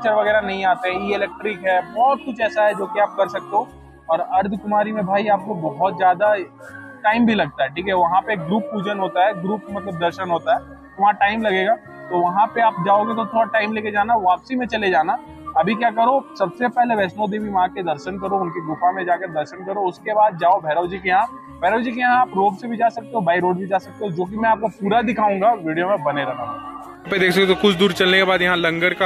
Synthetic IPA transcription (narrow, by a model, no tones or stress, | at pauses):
t͡ʃəɾʋɐɡɛːɾanɐɦĩaːt̪eɦɛ̃iɪlɛːk̚ʈɾɪkɦɛːbɔːt̪̚kʊt͡ʃʰɛːsaɦɛd͡ʒoːkeaːp̚kɐɾsɐk̚t̪eɦõː | ɔːɾɐɾd̪ʱkʊmaːɾimẽbʱaːiaːp̚kobɐɦʊt̪zjaːd̪a | ʈaːɪmbʱilɐɡ̚t̪aɦɛʈʰiːkɛʋɐɦãpeɡɾuːpːuːd͡ʒənɦoːt̪aɦɛɡɾuːpmɐt̪ləb̚d̪ɐɾʃənɦoːt̪aɦɛː | ʋɐɦãʈaːɪmlɐɡeːɡaː | t̪oʋɐɦãpeaːp̚d͡ʒaːoːɡet̪̬ot̪ʰoːɽaʈaːɪmleːked͡ʒaːnaʋaːpsimẽt͡ʃɐled͡ʒaːna | ɐbʱik̬jaːkɐɾosɐbsepɛɦleʋɛːsnod̪eːbʱiʋɐɦãked̪ɐɾʃənkɐɾoʊnkeɡʊpãmẽd͡ʒaːkɐd̪ɐɾʃənkɐɾoʊskebaːd̪̚d͡ʒaːobʱɛːɾəːd͡ʒikejɐɦã | bʱɛːɾəːd͡ʒikejɐɦãaːpɾoːɡsebʱid͡ʒaːsɐk̚t̪eɦobaːiɾoːɖbʱid͡ʒaːsɐk̚t̪eɦõd͡ʒoːk̬imɛ̃aːp̚kopuːɾad̪ɪkʰaːũːŋɡaʋiːɖijomẽbɐneɾɐɦaɦ | ped̪eːkʰsɐk̪et̪okʊt͡ʃʰd̪uːɾt͡ʃɐlnekebaːd̪jɐɦãlɐ̃ŋɡəɽka